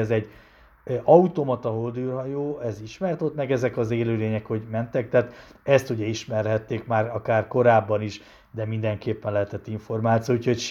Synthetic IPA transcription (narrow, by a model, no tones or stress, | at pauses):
ɛzɛɟ | ɒut̪omɒt̪ɒɦold̪yrɦɒjoːɛziʃmɛrt̪ot̪mɛɡɛzɛkɒzeːløːleːɲɛkho̞ɟmɛnt̪ɛk̚t̪aːt̪ɛst̪uɟɛiʃmɛrɦɛt̪ːeːkmaːrɒkaːrko̞ɾaːbːɒniʃ | d̪ɛmind̪ɛŋkeːpːɛnlɛɦɛt̪ɛt̪ːiɱfo̞rmaːt̪sioucho̞cʃ